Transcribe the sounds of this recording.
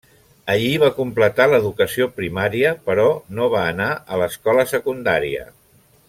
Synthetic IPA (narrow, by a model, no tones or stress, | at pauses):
əʎiβ̞akumplət̪aləðukəsiopɾimaɾiəpəɾɔnoβ̞aːnaələskɔləsəkund̪aɾiə̰